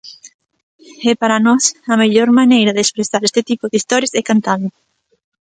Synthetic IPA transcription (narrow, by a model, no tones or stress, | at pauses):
ɛpaɾɐnɔsɐmeʎɔɾmanejɾɐðespɾesaɾɛst̪ɪt̪ipoðɪist̪ɔɾjɐsɛkant̪anʊ